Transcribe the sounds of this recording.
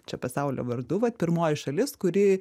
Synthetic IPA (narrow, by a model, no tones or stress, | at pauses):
t͡ʃʲɛpɐsɐʊlʲo̰ːʋɐrd̪ʊʋɐt̪̚pʲɪɾmoːjɪʃɐlʲɪskʊɾʲɪ